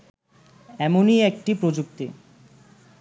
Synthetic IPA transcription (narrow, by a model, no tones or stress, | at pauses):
ɛmoniek̚ʈipɾod͡ʑuk̚t̪i